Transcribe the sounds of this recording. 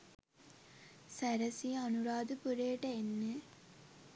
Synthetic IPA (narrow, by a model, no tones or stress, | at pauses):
sæɾɐsiɐnuɾaːd̪upuɾeːʈɐenːe